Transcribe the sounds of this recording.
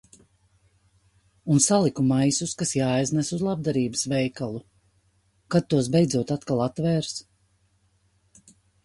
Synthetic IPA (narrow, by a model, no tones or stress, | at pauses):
unsalˠikumajsuskasjaːjznɛsuzlˠab̚d̪aɾiːbəsvɛjkalˠu | kad̪̚t̪ːuɔs̬bɛjd̪zuɔt̪at̪kalˠat̪ːvɛːɾs